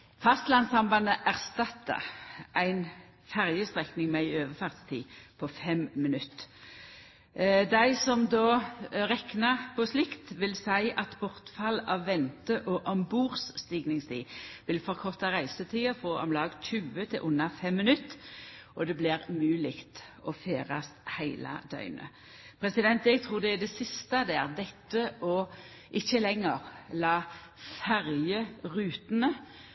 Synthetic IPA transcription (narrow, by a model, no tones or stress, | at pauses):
fɑst̪lɑnsɑmbɑnəʔæʁst̪ɑt̪ːə̰ʁʔæɪn | fæʁjəst̪ʁɛknɪŋmɛɪøːʋəfɑʁt̪st̪ʰḭːpʰɔfɛmmɪnʉt̪ː | d̪æɪsɔmd̪oːʁɛknɑpʰɔslɪkt̪ʋɪlsæɪɑt̪bɔʁt̪fɑlɑʋːɛnt̪əʔɔʔɔmbuːʁsːt̪iːɡnɪŋst̪ʰḭːʋɪlfɔʁkʰɔʁt̪ɑʁæɪsət̪ʰiːɑfoːʔɔ̰mlɑːɡc͡çʉːət̪ʰɪlʔʊnːɑfɛmːɪnʉt̪ːʔɔd̪ɛblɪʁmʉːlɪkt̪ɔfeːʁɑst̪hæɪlɑ̰d̪̥œ̰ʏnʔə̰ | pʰʁɛsɪd̪ɛnt̪ɛɡ̚t̪ʰʁuːʁd̪ɛæd̪ɛsɪst̪ɑd̪æːʁd̪ɛt̪ːəʔɔ | ʔɪçːəlɛŋːəʁlɑː | fæʁjəʁʉːt̪nə